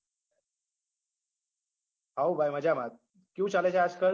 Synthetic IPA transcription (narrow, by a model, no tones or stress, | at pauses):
ɦawbʱajməd͡ʑʱamat̪̚ | kjũːt͡ɕalet͡ɕaːd͡zkəɭ